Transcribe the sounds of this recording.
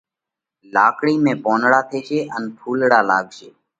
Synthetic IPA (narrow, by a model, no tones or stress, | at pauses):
laːkɽiːmẽːpoːnɽaːt̪ʰeːʃeːʔənpʰuːlɽaːlaːɡʃeː